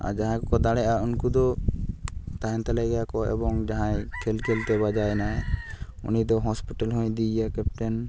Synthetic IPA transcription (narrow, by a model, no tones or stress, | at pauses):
a̰d͡ʒaɦãkɔkɔd̪aɽɛʔaunkud̪ɔ | t̪aɦɛ̃nt̪alɛɡajakɔɛ̰bɔŋd͡ʒaɦãjkʰɛlkʰɛlt̪ɛbad͡ʒajnaɛ | ṵnid̪ɔɦɔspiʈalɦɔ̃jd̪ijakɛpʈɛn